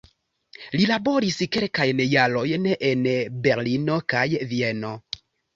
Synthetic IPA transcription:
lilabo̞ɾiske̞lkajnejalo̞jneʔenbe̞ɾlino̞kajvie̞no̞

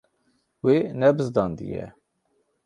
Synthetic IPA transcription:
wenɛbɨzd̪ɑnd̪ḭjɛ̰

